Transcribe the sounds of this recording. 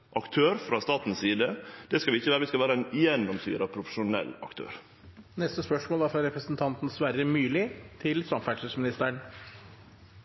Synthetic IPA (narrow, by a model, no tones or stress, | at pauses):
ʔɑkt̪ʰøːɾfɾɑst̪ɑːt̪n̩ssiːd̪əd̪̥ɛskɑlʋɪɪçːəʋæːɾʋɪskɑʋæːɾəɛnjɛnːɔmsy̰ːɾɑpʰɾʊfə̥ʂʊnɛ̰lːɑ̰kt̪ʰø̰ːɾ | nɛst̪əspœʂmoːlæɾfɾɑɾɛpɾəsn̩t̪ʰɑnt̪n̩sʋæɾəmyːlɪt̪ʰɪlsɑmfælʂəsmɪnɪst̪əɳ